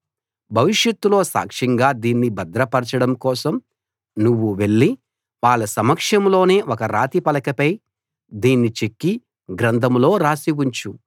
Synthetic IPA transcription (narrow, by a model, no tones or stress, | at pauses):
bʱɐʋiʂjɐt̪ːulo̞ːsa̰ːkʂɐŋɡaːd̪iːnːibɐd̪ɾɐpɐɾt͡ʃɐɽɐmkɔːsɐm | nuʋːuʋe̞ɭːi | ʋaːɭːɐsɐmɐkʂɐmlo̞ːne̞ːʔɔkɐɾaːt̪ipɐlɐkɐpɐj | d̪iːnːit͡ʃe̞kːi | ɡɾɐnd̪ʱɐmlo̞ːɾaːsiwuɲt͡ʃu